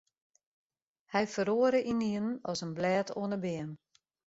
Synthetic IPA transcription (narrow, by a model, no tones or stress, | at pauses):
hɛjfəɾoəɾəʔiniənənɔsənblɛːtʰo̰ənəbɪən